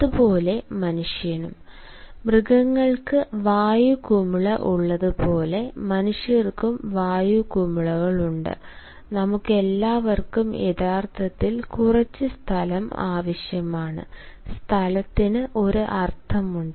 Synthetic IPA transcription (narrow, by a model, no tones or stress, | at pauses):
ðupo̞ːle̞mɐnuʂjɐnum | brɨɡɐŋːɐɭkɨʋaːjukumiɭɐʔuɭːɐðɨpo̞ːle̞mɐnuʂjɐrkumʋaːjukumiɭɐɣɐɭuɳɖɨ̰ | nɐmukːe̞lːaːʋɐrkumjeðaːrt̪ʰɐt̪ːilkurɐt͡ɕːɨst̪ʰɐlɐma̰ːʋɐɕjɐmaːɳɨ̰st̪ʰɐlɐt̪ːinɨʔo̞ɾuʔɐrt̪ʰɐmuɳɖɨ